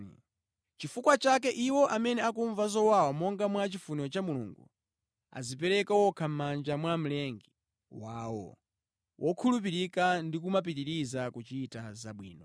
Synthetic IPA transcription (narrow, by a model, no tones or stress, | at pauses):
t͡ʃifukwat͡ʃak̬ɛʔiwɔʔamɛnɛakuɱvazɔwawamɔŋɡamwat͡ʃifuniɔt͡ʃamulṵŋɡṵ | a̰zip̬ɛɾɛkawɔkʰam̩mand͡ʒamwam̩lɛŋɡi | waːwɔ̰ | wʔɔkʰulup̬iɾikandikumap̬itiɾizakut͡ʃiːtazaɓwḭːnɔ